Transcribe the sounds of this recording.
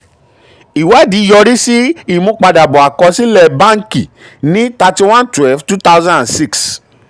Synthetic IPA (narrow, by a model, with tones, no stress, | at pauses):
i˨wɛ˨˦di˨˦jɔ˧ɾi˦si˦i˦˨mõ˧˦k͡pa˧da˨bɔ˨a˨kɔ˧si˦lɛ˦˨bã˦ŋ˦ki˨ | nĩ˦ta˧ti˧w̃ã˦ntwɛ˦lftu˦ta˦wzã˦ã˨si˦ks